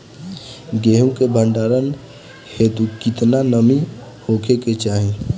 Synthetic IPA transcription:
ɡeːɦũkebʱə̃ɳɖaːɾən | het̪ukɪt̪nanəmi | hoːkʰeket͡ʃaːɦẽ

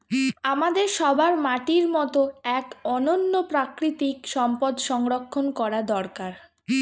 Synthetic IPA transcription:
amad̪eɾʃɔbʱaɾmaʈiɾmɔt̪oɛkɔnonːopɾakɾit̪ikʃɔmpod̪ʃɔŋɾokʰːonkɔɾad̪ɔɾkaɾ

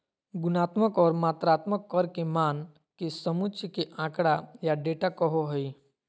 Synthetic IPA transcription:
ɡʊnaːt̪məkɔːɾmaːt̪ɾaːt̪məkːɔɾkemaːn | kisəmʊt͡ʃkeʔãːkɽajaɖeːʈakɔɦoɦəi

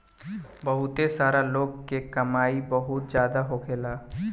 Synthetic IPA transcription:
bəɦʊt̪esaːɾaloːɡkekəmaːibəɦʊt̪̚d͡ʒjaːd̪aɦokʰeːlaː

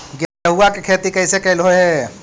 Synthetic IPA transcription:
ɡjəɦuakekʰeːt̪ikəjsekɐɪlɦoɦe

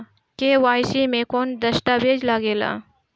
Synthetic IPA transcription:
keːʋaːjsimẽkoːnd̪ɐsʈaːbeːd͡ʒlaɡeːla̰ː

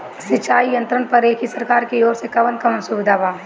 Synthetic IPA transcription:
sɪt͡ʃaːijɐ̃nt̪ɾənpɐɾeːkisɐɾkaːɾkeoːɾsekɐʋənkɐmənsuʋɪd̪ʱaːʋaː

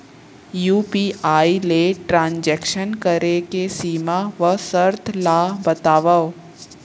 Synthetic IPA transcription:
juːpiːʔaːileʈɾãːnd͡ʒɛːkʃənkəɾekesiːmaʋəsəɾt̪ʰlaːɦbɐt̪aːʋəʋ

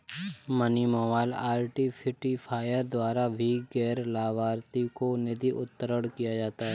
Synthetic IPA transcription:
mənimɔːʋaːɪlaːlʈipʰɪʈipʰaːjəɾd̪waːɾabʱiɡɛːɾlaːʋaːɾt̪ikonɪd̪iʔʊ̰t̪ːəɾəɽkijad͡ʒaːt̪aɦɛː

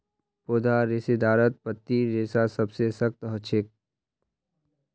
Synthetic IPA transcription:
poːd̪aɾesed̪aːɾət̪̚pət̪ːiɾeːsasɐbsesəkt̪ɦət͡ʃʰɪk̚

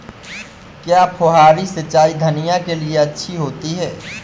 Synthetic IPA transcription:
kjaːpʰoɦaːɾisɐt͡ʃaːid̪ʱɐnijakelieɐtːʃʰiɦoːt̪iɦɛː

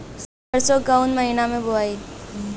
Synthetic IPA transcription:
s | əɾsɔɡaʊnməɦiːnamẽbʊaːiː

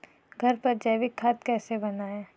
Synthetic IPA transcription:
ɡʱɐɾpɐɾd͡ʒɛːʋɪkʰːaːt̪kɛːsebɐnaːẽː

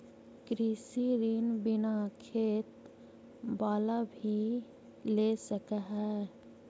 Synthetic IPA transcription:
kɾiːsiɾiːnbɪnakʰeːt̪ | baːlabʱi | leːsəkaɦɛ

